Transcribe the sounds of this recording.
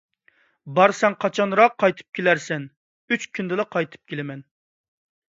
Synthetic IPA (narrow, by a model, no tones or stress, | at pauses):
bɑɾsɛŋqʰɑt͡ʃʰɑnɾɑqʰːɑjt̪ʰɨ̥p̚kʲʰelæɾsɛn | yt͡ʃkʲʰynd̪ɪlɛqʰɑjt̪ʰɨ̥p̚kʲʰelɪmɛn